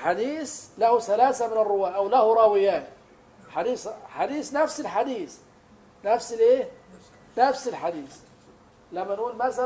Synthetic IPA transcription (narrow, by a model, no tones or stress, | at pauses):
ħad̪iːθlahuθalaːθamɪnɪrːʊwaːʔawlahʊɾˤɑwɪjaːni | ħad̪iːsħad̪iːsnafsɪlħad̪iːθ | nafsɪlʔeːh | nafsɪlħad̪iːθ | lamːanʔuːlmaθa